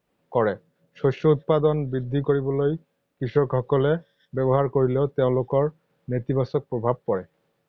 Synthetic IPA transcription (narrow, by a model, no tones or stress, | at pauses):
kɔɹɛ | sosɔut̪̚pad̪ɔnbɹid̪ʱːikoɹibɔloj | kisɔkxɔkɔlɛ | bɛbɔɦaɹkoɹileʊteʊ̃lokɔɹ | net̪ibasɔk̚pɹobʱab̚kɔɹɛ